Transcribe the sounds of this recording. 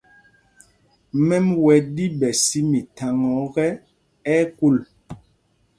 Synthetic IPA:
mɛ˦mwɛ˨di˦bɛ˨si˦mi˨tʰa˨ŋɔ˨˦ɣɛ˦ | ɛ˦ku˦˨l

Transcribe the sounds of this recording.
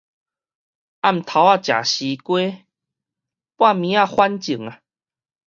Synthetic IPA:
a˥˧˨m̩˨t̪ʰa˨˧˦a˦˧t͡ɕja̰˨˩ɕi˨˦kwe˦ | pwa˥˧˨mĩ˨˦a˥˧˨hwa˦nt͡ɕi˨˩ŋa˨

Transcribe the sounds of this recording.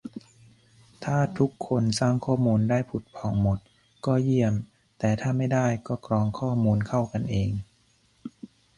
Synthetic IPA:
t̪ʰaː˥˩t̪ʰu˦˥kʰːo˧nsaː˥˩ŋkʰɔː˥˩muː˧ndaː˥˩jpʰu˨˩t̪̚pʰɔː˨˩˦ŋmo˨˩t̪̚ | kɔː˥˩ji˥˩əm | t̪ɛː˨˩t̪ʰaː˥˩ma˥˩jdaː˥˩jkɔː˥˩kɾɔː˧ŋkʰɔː˥˩muː˧nkʰa˥˩wka˧nʔeː˧ŋ

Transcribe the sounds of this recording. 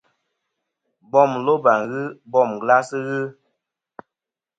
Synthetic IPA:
bɔ˦˨mlo˦ba˨ŋ˨ɣɨ˦bɔ˦˨mɡla˦sɨ˦ɣɨ˦

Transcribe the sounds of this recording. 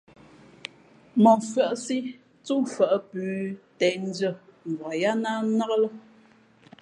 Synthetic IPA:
mɔ˨fɰə˦˨ʔsi˦ | t͡su˦˨fə˨ʔpʉː˨˦tɛ˨n˦də˦˨ŋ˨ɡwɔ˨ja˦na˦nɔ˦klə˦

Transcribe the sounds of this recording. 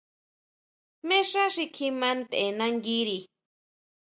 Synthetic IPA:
mẽ˦ʂa˦ʂi˧kʰi˧mã˦nt̪e˨nã˧ŋɡi˦ɾi˨

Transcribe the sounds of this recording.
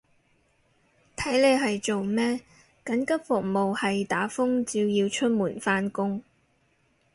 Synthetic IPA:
t̪ʰɐ˨˥jle˨˧jɦɐ˨jt͡so˨wmɛː˥ | kɐ˨˥nkɐ˥p̚fʊ˨k̚mo˨whɐ˨jt̪aː˨˥fʊ˥ŋt͡siː˧wjiː˧wt͡ʃʰɵ˥t̚muː˨˩nfaː˥nkʊ˥ŋ

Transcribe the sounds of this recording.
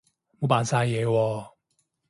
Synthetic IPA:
mo˨˦wpaː˨nsaː˧jjɛː˨˧wɔː˧

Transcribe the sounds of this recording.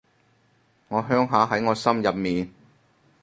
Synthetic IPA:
ŋɔː˨˧ɦœː˥ŋɦaː˨˧ɦɐ˨˥jŋɔː˨˧sɐ˥mjɐ˨p̚miː˨n

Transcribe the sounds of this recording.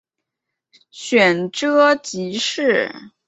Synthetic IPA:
ɕɥɛ˨˩nʈ͡ʂɤ˥t͡ɕi˧˥ʂɻ̩˥˩

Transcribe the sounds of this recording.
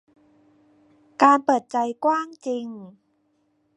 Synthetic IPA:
kaː˧npɤː˨˩t̪̚t͡ɕa˧jkwaː˥˩ŋt͡ɕi˧ŋ

